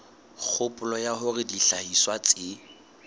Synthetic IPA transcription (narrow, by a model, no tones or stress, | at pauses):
k͡xʰʊpʼʊlɔjaɦʊrɪdiɬahiswat͡sʼɪ